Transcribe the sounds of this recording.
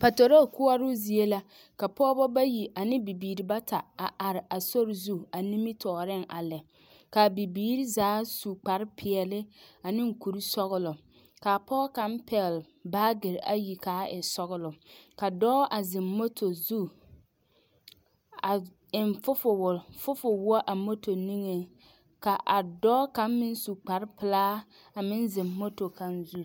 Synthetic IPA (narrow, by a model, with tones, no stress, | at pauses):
pa˨to˨ɾo˦˨kʊ˦a˦ɾʊ˦zi˨e˦la˦ | ka˨pɔː˦bɔ˦ba˦ji˨ʔa˨nɪ̃˦bi˨biː˨ɾi˨ba˦ta˨a˨ʔa˨ɾɪ˨ʔa˨so˦ɾzu˦a˨ni˦mi˦tʰɔː˨ɾɪ˦ŋʔa̰˨lɛ˨ | ka˨bi˨biː˦ɾi˦zaː˨˦su˨k͡pa˨ɾɪ˦pʰɪ˨ɛ˨lɪ˦a˨nɪ˦ŋ˦ku˨ɾi˦sɔ˦ɣʊ˦lʊ˨ | ka˨pʰɔː˦ka˨˦m˦pʰɛ˨l | baː˦ɡɪ˨ɾa˦ji˨ka˨˦ɪ˨sɔ˦ɣʊ˦lʊ˨ka˨dɔ˦ʔa˨zɪ˨mːo˦tʰo˨zu˦ | a˨ | ɪ˨nfʊ˦fʊ˨wʊ˨fʊ˦fʊ˨wɔ˦ʔa˨mo˦to˨ni˦ŋe˨ | ka˨ʔa˨dɔː˦ka˨n˦mɪ˦n˦su˨k͡pa˨ɾɪ˦pɪ˨laː˦ | a˨mɪ˦nzɪ˨mːo˦to˨ka˨nzu˦